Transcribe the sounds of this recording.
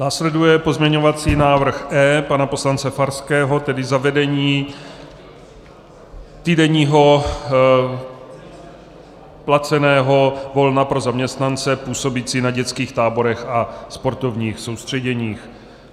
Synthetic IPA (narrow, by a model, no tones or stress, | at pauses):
naːslɛdujɛpo̞zmɲɛɲo̞vat͡siːnaːvr̩xʔɛːpanapo̞slant͡sɛfaɾskɛːɦo̞t̪ɛdɪzavɛdɛɲiː | t̪iːdɛɲiːɦo̞ | plat͡sɛnɛːɦo̞vo̞lnapɾo̞zamɲɛst̪nant͡sɛpuːso̞bit͡siːnaɟɛt͡skiːxt̪aːbo̞ɾɛxaspo̞ɾt̪o̞vɲiːxso̞wst̪r̝̥ɛɟɛɲiːx